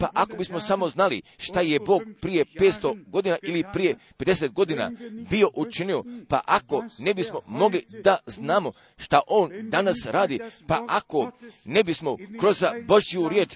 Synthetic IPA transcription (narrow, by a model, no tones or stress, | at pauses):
paʔako̞bismo̞samo̞znalḭʃt̪aje̞bo̞ːɡ̚pɾije̞peːt̪st̪o̞ɡo̞d̪iːnaʔilipɾije̞pe̞d̪e̞set̪̚ɡo̞d̪ina̰bio̞ʔut͡ʃinio̞pa̰ʔako̞ne̞bismo̞mo̞ɡlid̪aznaːmo̞ | ʃt̪aʔo̞ːnd̪anasɾaːd̪ipaʔako̞ne̞bismo̞kɾo̞zaboʒiuɾje̞ːt͡ʃ